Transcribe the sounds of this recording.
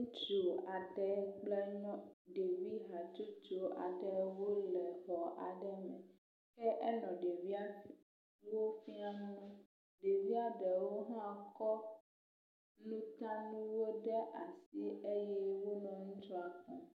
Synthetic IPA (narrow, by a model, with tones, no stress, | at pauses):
ũ˦t͡ʃo˨a˨ɖɛ˦ɡ͡blɛ˦ɲɔ̃˦ɖe˨vi˦ɦa˨t͡ʃu˦t͡ʃo˨a̰˨ɖɛ˦wo˦lɛ˨xɔ˨ʔa̰˨ɖɛ˦mɛ̃˨ | kɛ˦ʔɛ˦nɔ̃˨ɖe˨vi˦a˦ | wo˦fi˦a˦nũ˦ | ɖe˨vi˦a˦ɖɛ˨wo˦ɦã˦a˨kɔ˦ | nũ˦t̪ã˦nũ˦wo˦ɖɛ˦ʔa˨si˦e˦jɛ˦wo˦nɔ̃˨ŋũ˦t͡ʃɔ˦a˨k͡pɔ̃˨